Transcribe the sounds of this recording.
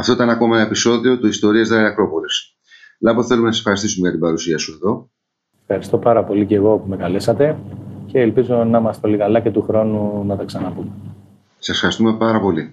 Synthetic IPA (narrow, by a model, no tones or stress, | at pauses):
ɐft̪o̞it̪ɐnɐko̞mɐepiso̞ðio̞t̪uist̪o̞ɾiezðeɐkɾo̞po̞les | lɐpoθe̞lumenɐsefxɐɾist̪isumeʝɐt̪ibɐɾusiɐsue̞ðo̞ | e̥fxɐɾist̪o̞pɐɾɐpo̞liceɣo̞pume̞kɐle̞sɐt̪e̞ce̞ːlpizo̞nɐmɐst̪olikɐlɐcet̪uxɾo̞nunɐt̪ɐksɐnɐpume | sɐsfxɐɾist̪umepɐɾɐpo̞li